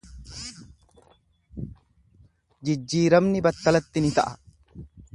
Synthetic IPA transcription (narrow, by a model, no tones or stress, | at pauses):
d͡ʒɪd͡ʒːiːɾɐbnɪbɐt̪ːɐlɐt̪ːɪnɪt̪ɐʔɐ